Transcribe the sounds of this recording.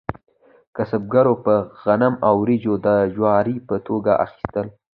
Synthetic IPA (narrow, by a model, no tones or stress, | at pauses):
kasab̚ɡaɾopəɣanamawɾid͡ʒod̪əʒwɑɾipət̪ʰoɡaʔa̰xi̥st̪əl